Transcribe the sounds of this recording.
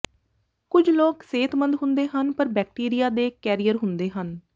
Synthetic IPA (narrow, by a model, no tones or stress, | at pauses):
kʊd͡ʒʱloːkseːt̪mə̃nd̪ɦʊ̃nd̪eːɦənpəɾbɛːk̚ʈiːɾijaːd̪eːkɛːɾijəɾɦʊnd̪eːɦən